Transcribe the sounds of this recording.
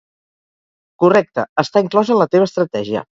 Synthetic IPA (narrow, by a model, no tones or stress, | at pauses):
kurɛk̚t̪əəst̪aiŋklɔzənlət̪eβəst̪ɾət̪ɛʒiə̰